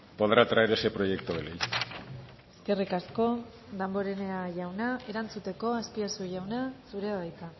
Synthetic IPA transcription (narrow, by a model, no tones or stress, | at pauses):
poðɾat̪ɾaeɾesepɾoje̞kt̪oβelej | eske̞rikasko̞ | d̪ambo̞ɾe̞ne̞aʝawnae̞ɾant͡sut̪e̞ko̞aspiasuʝawnasuɾe̞aβajt̪a